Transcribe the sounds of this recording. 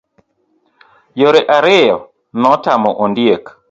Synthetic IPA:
joɾeʔaɾɪjɔ | nɔtamɔʔondjek

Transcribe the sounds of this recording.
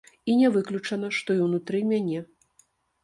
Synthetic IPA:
inʲɛvɨklʲut͡ʂɐnɐʂt̪ɔiwnut̪ɾɨmʲanʲɛ

